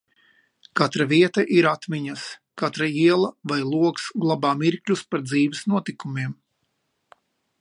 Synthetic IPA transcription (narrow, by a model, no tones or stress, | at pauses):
kat̪ɾaviɛt̪aʔiɾat̪miɲɐskat̪ɾaiɛlˠɐvajlˠuɔksɡlˠabaːmiɾklʲuspaɾd̪ziːvɛsnuɔt̪ikumʲiɛm